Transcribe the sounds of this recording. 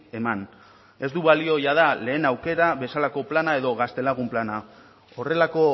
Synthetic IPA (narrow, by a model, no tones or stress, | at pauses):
e̞man | e̞zd̪uβalio̞jað̞ale̞ːnawke̞ɾaβe̞salako̞planae̞ðo̞ɣast̪e̞laɣ̞umplana | o̞re̞lako̞